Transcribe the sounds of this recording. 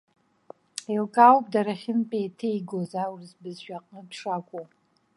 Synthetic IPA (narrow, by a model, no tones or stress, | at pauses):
elkʼawpʼdaɾaχʲɪnpʼejtʰejɡozawrzbɨzʃᶣaqʼnɨdʰʂakʷʼo